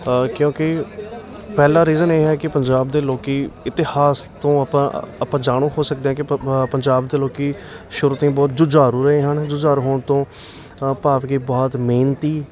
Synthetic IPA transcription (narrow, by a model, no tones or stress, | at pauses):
kjõːkɪ | pɛːlaːɾiːzəneːɦɛːkɪpəɲd͡ʒaːb̚d̪eːloːkiːɪt̪ɪhaːst̪õːəpãəpãːd͡ʒaːɽ̃õːɦoːsək̚d̪eːãːk̬ɪpəɲd͡ʒaːbd̪eːloːkiːʃʊɾt̪ẽːbɔːt̪̚d͡ʒʊd͡ʒaːɾuːɾəɦeːɦənd͡ʒʊd͡ʒaːɾɦoːɳt̪õː | paːpɡiːbɔːt̪meːnt̪iː